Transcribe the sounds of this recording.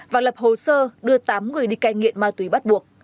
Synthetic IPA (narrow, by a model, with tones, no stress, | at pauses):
vaː˨˩lə˨˩p̚ho˨˩səː˧ɗɨ˧ət̪aː˨˦mŋɨ˨˩əjɗi˧kaː˧jŋḭ˧˨əmmaː˧˩t̪wi˨˦ɓa˦˥t̚ɓu˨˩ək̚